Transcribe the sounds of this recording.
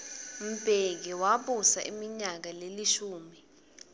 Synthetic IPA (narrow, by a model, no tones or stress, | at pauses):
m̩bʱek̬iwaɓusaʔimiɲak̬aleliʃuːmi